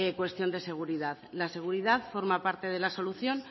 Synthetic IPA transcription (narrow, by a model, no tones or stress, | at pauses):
ekwe̞st̪jo̞nd̪e̞se̞ɣ̞uɾiðaðlase̞ɣ̞uɾiðaðfo̞ɾmapaɾt̪e̞ð̞e̞laso̞luθjo̞n